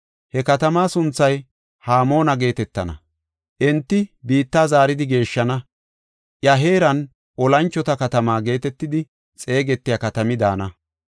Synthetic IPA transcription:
hɛkɐt̪ɐmaːsʊnt͡sːɐj | haːmo̞ːnɐɡe̞ːt̪ɛt̪ːɐ̰nɐ̰ | ʔɛnt̪ːɪbiːt̪ːaːzaːɾɪd̪ɪɡe̞ːʃːɐnɐ | ʔjɐɦe̞ːɾɐn | ʔɔlɐnt͡ʃːɔt̪ɐkɐt̪ɐmaːɡe̞ːt̪ɛt̪ːɪd̪ɪ | t͡sʼe̞ːɡɛt̪ːɪjɐkɐt̪ɐmɪd̪a̰ːnɐ

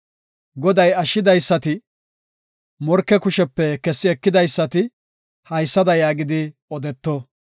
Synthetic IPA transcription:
ɡɔd̪ɐjɐʃːɪd̪ɐjsːɐt̪ɪ | mɔɾkːɛkʊʃɛpːɛkɛsːɪɛkːɪd̪ɐjsːɐt̪ɪ | hɐjsːɐd̪ɐjaːɡɪd̪ɪɔd̪ɛt̪ːɔ

